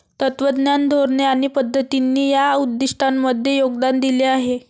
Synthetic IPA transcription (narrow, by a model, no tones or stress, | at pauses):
t̪ət̪ʋəd̪njand̪ʱoɾɳeaɽ̃ipəd̪ʱːət̪inːiːjaud̪ːiʂʈʰanməd̪ʱːjejoɡd̪and̪ileaɦe